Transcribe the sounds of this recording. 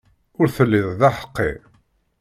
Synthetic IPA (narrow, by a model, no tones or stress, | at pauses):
ʊɾθəlːɪðˤðaħə̥qːḛ